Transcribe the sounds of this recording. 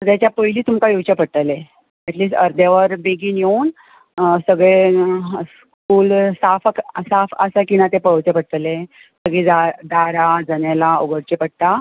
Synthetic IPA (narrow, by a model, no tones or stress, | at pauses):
t̪əɾt̪jat͡ɕjapəiliːt̪umkajowt͡ɕapəɽt̪əle | ɛʈliːsʈəɾd̪jaʋəɾbeɡiːnjewn | səɡɭe | s | kuːlsafəksafə̰sakinat̪epəɭəwt͡ɕepəɽt̪əle | səɡid͡zad̪aɾad͡zənelaoɡəɾt͡ɕepəɽ̚t̪a